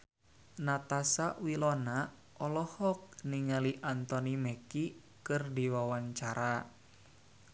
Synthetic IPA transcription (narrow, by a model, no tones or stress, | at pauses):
nat̪asaʔwilɔna | ʔɔlɔhɔk̚niŋaliʔant̪ɔnimeki | kɨrdiwawaɲt͡ʃaɾa